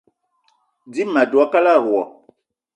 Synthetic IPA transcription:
di˦mã˨du˨a˦ka˦la˦˨ɾu˨ɔ̰˨

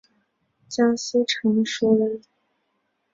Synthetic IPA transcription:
t͡ɕja˥s̩˥ʈ͡ʂʰɤ˧˥ŋʂɔ˥lə˧˥

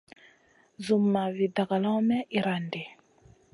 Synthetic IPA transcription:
zu˨mːa˨vi˨da˨ka˨la˦mɛ˦ʔi˨ɾa˨nde˨

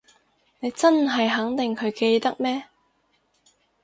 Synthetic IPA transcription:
ne˨˧jt͡sɐ˥nɦɐ˨jɦɐ˨˥ŋt̪ɪ˨ŋkʰɵ˨˧ɥke˧jt̪ɐ˥k̚mɛː˥

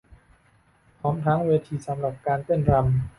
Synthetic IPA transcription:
pʰɾɔː˦˥mt̪ʰa˦˥ŋweː˧t̪ʰiː˧sa˩˦mɾa˨˩p̚kaː˧np̪e˥˩nɾa˧m

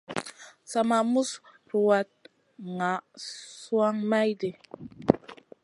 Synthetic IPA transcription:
sa˨ma˨mu˦s | ɾu˨wa˨t̚ | ŋa˨su˦a˦ŋma˦jde˨

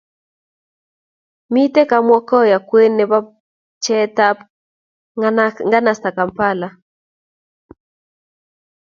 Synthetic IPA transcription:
mi˦te˦ka˦mwɔ˦kɔ˦ja˨kwe˦nːɛ˨ba˦ | t͡ʃɛ˦ta˦p | ŋɡa˦na˨sta˨ka˨mpa˦˨la˨

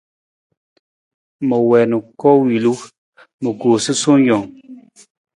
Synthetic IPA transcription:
mə˨wɛ˨nu˨kɔ˦wi˨lu˦ | mə˨ɡo˨si˦so˦ŋ˦jɔ˨ŋ

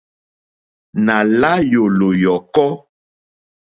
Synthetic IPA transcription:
na˨la˦jo˨lo˨jɔ˨kɔ˦

